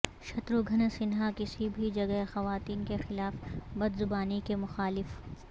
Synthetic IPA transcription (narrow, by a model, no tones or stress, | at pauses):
ʃɐt̪ɾoɡʱɐnsɪnɦakɪsibʱid͡ʒɐɡəɦexɐʋaːt̪iːnkexɪlaːfbɐd̪zʊbaːnikemʊxaːlɪf